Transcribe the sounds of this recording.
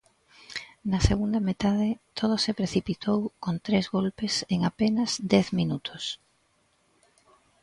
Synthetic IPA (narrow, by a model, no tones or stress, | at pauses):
nɐseɣund̪ɐmet̪að̞ɪt̪ʰoð̞osepɾeθipit̪ʰowkont̪ɾezɣolpeseŋapenɐzd̪ɛθminut̪ʰʊs